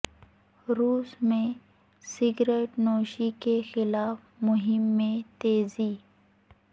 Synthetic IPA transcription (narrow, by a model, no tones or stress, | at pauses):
ɾuːsmẽ | sɪɡɾeːʈnoːʃikexɪlaːf | mʊɦɪmːẽt̪eːziː